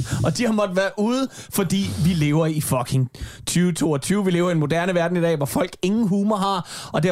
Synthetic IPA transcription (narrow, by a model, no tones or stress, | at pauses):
ɒ̽d̥ihɑmɒ̽d̥ʋæːɐʔuːðˠfɒ̽d̥ḭːʋile̝ːʊɐifɒɡʰe̝ŋt͡sʰyːʊt͡sʰo̝̰ːɒt͡sʰyːʊʋile̝ːʊɐienmo̝d̥æɐnəʋæɐd̥n̩id̥ɛ̰ːʋɒfɒ̽l̰ɡ̥e̝ŋn̩ɦuːmɐɦɑ̈ɒ̽d̥e